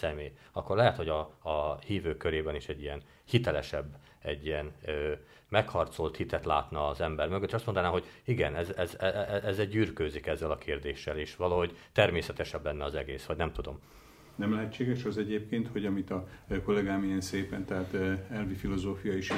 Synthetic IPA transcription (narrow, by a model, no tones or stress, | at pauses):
sɛmeː | ɒkːo̞rlɛɦɛt̪ho̞ɟɒːhiːvøːkːøɾeːbɛniʃɛɟːijɛn | hit̪ɛlɛʃɛbː | ɛɟːijɛnː | mɛkhɒrt̪so̞lt̪hit̪ɛt̪la̰ːt̪nɒːzɛmbɛrmø̞ɡøt̪ːeːʃɒst̪ond̪ɒnaːmɦo̞ɟiɡɛ̰nɛzɛzɛʔɛzːɛɟyːrkøːzikɛzːɛlɒkʰeːrd̪eːʃːɛleːʃʋɒlɒɦo̞ɟt̪ɛrmeːsɛt̪ɛʃɛblɛnːɛɒzɛɡeːsʋɒɟnɛmt̪ud̪o̞̰m | nɛmlɛɦɛtt͡ʃːeːɡɛʃɒzɛɟeːp̚keːnt̪ho̞ɟɒmit̪ɒko̞lɛɡaːmijɛnseːpɛnt̪ɛɦaːt̪ɛlvifilozoːfijɒiʃ